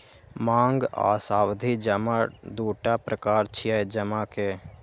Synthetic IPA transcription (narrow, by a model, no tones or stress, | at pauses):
mãːŋɡa̰ːsaːwd̪ʱid͡ʒəmad̪oːʈapɾəkaːɾt͡ʃʰiad͡ʒəmake